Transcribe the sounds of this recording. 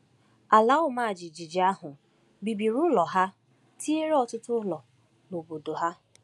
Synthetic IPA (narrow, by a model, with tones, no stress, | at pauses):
a˨la˨˦ʊ˦ma˦˨d͡ʒi˨d͡ʒi˨d͡ʒi˨a˦ɦʊ˨ | bi˨bi˨ɾʊ˦lɔ˨ɦa˦ | tʰi˦e˦ɾɔ˦tʊ˦tʊ˦lɔ˨ | no˨bo˨do˨ɦa˦